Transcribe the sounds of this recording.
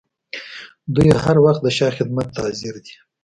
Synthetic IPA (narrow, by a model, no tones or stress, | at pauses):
d̪ujhaɾwaxt̪̚d̪əʃɑxɪd̪̚mat̪ːazɪɾd̪i